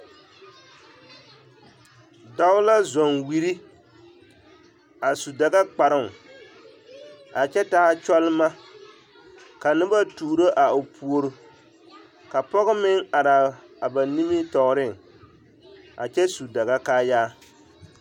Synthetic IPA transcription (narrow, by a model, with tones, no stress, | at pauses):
da˦ʊ˦la˦zɔ˨nwi˨ɾi˦ | a˨su˨da˨ɡa˦k͡pa˨ɾɪ˦ŋ˨ | a˨t͡ʃɛ˦ta˦ha˦t͡ʃɔ˦lma˦ | ka˨nɨ˦ba˦tu˨ɾo˦ʔa˨o˨pʰu˨o˦ɾu˨ | ka˨pɔ˦ɣʊ˦mɪ˦ŋa˨ɾa˨ | a˨ba˨ni˦mi˦tɔ˨ɣɾɪ˦˨ŋ | a̰˨t͡ʃɛ˦su˨da˨ɣa˦kaː˦jaː˦